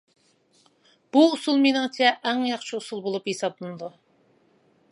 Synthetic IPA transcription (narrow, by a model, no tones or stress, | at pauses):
b̥uːsulˠmenɨŋt͡ʃʰɛʔæŋjɑχt͡ʃʰiusulˠbolˠupjesɑblˠɨnɨd̪u